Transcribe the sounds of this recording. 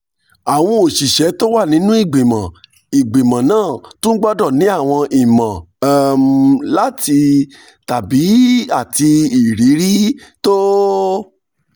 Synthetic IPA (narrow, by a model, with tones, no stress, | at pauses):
a˨w̃ɔ̃˧o˨ʃi˨ʃɛ˨˦to˦wa˦˨nĩ˨˦nũ˦i˦˨ɡ͡bĩ˨mã˨ | i˨ɡ͡bi˨mã˨nãː˦˨tũ˦n̩˦ɡ͡bɔ˦dɔ˦˨nĩ˨˦a˦˨w̃ɔ̃˧ʔi˨mã˨˦mla˦˨ti˧ | ta˨bi˨˦a˦˨ti˧i˨ɾi˨˦ɾi˦to˦